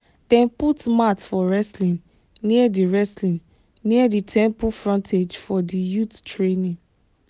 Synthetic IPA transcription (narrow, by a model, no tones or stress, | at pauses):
d̥ɛ̃mputmatfɔɹɛslĩn | niɛdiɹɛslĩn | niaditʰɛ̃mpufɹɔ̃ntʰed͡ʒfɔdijuttɹenĩn